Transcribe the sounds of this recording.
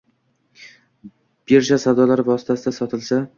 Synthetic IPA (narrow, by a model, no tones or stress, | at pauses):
b̥eɾt͡ʃasawd̪ɒlaɾvɒsɪt̪ʰasɪd̪asɒt̪ʰɪlsa